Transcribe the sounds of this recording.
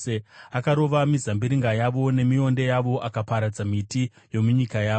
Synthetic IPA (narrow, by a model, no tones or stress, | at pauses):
eakaɾo̞ʋamizambiɾiŋɡajaʋo̞ne̞mio̞nde̞jaʋo̞ʔakapaɾad͡zamiti | jo̞muɲikajaːo